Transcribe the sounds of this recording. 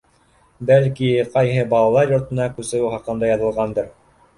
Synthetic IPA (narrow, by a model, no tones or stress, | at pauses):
bælkiqɑjɦɤbɑlˠɑlˠɑɾjŏɾt̪ɤ̆nɑkʉsɘ̆ɾɘχɑqɤ̆nd̪ɑjɑðɤ̆lˠʁɑnd̪ɤɾ